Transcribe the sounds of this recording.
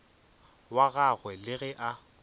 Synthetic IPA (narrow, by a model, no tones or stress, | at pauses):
waɣaɣwɛlɪɣɛʔa